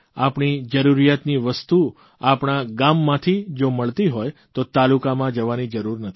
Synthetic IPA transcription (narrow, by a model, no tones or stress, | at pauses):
apɳ̃id͡ʒəɾuɾijat̪niʋəst̪u | apɳ̃aɡamːãt̪ʰid͡ʒoməɭt̪iɦojt̪ot̪alukamãd͡ʒəʋanid͡ʒəɾuɾnət̪ʰi̥